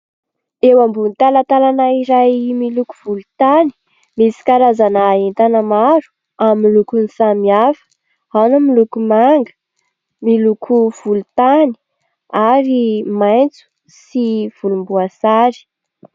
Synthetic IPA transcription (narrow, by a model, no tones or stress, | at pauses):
ewambunt̪alat̪alanaiɾajmiluku̥v̥ulut̪ani̥ | misi̥kaɾazanaːent̪anəmaɾu̥ | amːilukunisamiafə̥ | awnamilukumaŋɡə̥ | milukʰuv̥ulut̪ani̥ | aɾimajnt͡su̥ | siv̥ulumbuasaɾi̥